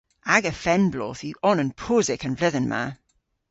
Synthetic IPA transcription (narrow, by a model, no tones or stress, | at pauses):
aɡəfɛnblɔ̰ːθjiʔɔnə̃npʰoːzɪkə̃nvlɪðənma̰